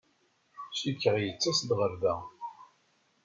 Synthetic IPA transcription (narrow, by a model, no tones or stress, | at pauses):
ʃikːəʁjət͡sːæsd̪ʁəɾðæ